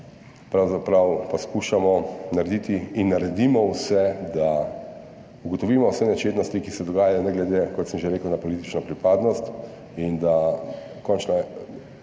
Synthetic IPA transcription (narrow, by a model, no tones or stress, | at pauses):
pɾawzapɾawpaskuʃamɔnaɾed̪it̪iːnːaɾɛd̪imɔwsɛd̪a | uɡɔt̪ɔʋiːmɔwsɛnɛt͡ʃeːt̪nɔst̪ikisɛd̪ɔɡaːjajɔnɛɡlɛd̪ekɔt̪səmʒeɾeːkəwnapɔlit̪i̥t͡ʃnɔpɾipaːd̪nɔst̪ | ind̪a | kɔnt͡ʃna